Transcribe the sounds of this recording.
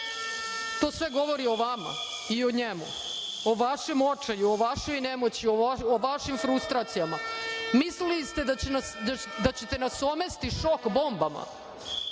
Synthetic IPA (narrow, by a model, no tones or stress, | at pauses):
t̪o̞ːsʋeɡo̞ʋoɾio̞ʋama̰ | ioɲemṵ | oʋaʃemot͡ʂajuoʋaʃo̞jnemot͡ɕiooʋaʃimfɾust̪ɾaːt̪sijamamislellist̪ed̪anad̪at͡ɕet̪e̞nasomest̪iʃokbo̞mbama̰